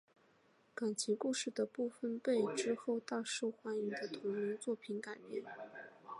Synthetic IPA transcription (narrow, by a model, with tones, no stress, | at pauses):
ka˨˩nt͡ɕʰi˧˥ŋku˥˧ʂɻ̩˥˩d̪ə˩pu˥˩fə˥npe˥˩ɪʈ͡ʂɻ̩˥xo˥˧ʊt̪a˥˧ʂu˥˩xwa˧˥ni˧˥ŋd̪ə˨t̪ʰʊ˧˥ŋni˧˥nt͡swɔ˥˩pʰi˧˥nka˨˩ɪpjɛ˥˩n